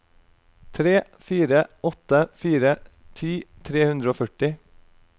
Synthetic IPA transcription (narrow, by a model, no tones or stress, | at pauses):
t̪ʰɾeː | fiːɾəɔt̪əfiːɾə | t̪ʰiːt̪ʰɾeːhʉnd̪ɾəoːfœʈɪ